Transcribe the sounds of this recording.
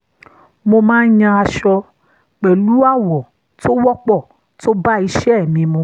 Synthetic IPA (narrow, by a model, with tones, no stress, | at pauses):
mo˧mãː˦n̩˦ɲã˧a˧ʃɔ˧ | k͡pɛ˨lu˦a˦˨wɔ˨ | to˦wɔ˦k͡pɔ˦˨ | to˦ba˦i˧ʃɛ˦˨mĩ˧mũ˧